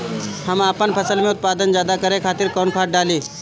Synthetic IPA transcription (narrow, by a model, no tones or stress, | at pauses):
hɐmaːpənpʰɐsəlmẽʊt̪̚paːd̪ənzjaːd̪akɐɾẽkʰaːt̪ɪɾkɔːnkʰaːʈ̚ɖaːliː